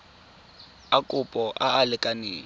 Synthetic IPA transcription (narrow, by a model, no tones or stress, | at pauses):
akʼʊpʼɔʔaalɪkʼaneː